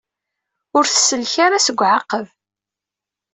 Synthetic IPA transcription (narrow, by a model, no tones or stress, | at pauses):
ʊɾθəsəlçaɾasəɡʷːʕaqːəv